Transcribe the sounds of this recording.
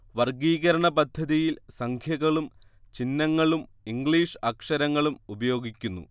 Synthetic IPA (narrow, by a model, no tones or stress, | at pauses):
ʋɐrɡiːɣɐɾɐɳɐpɐd̪ʱːɐðijilsɐŋkʰjɐɣɐɭum | t͡ɕinːɐŋːɐɭum | iŋɡɭiːʂɐkʂɐɾɐŋːɐɭumubɐjo̞ːɡikʲːunːṵ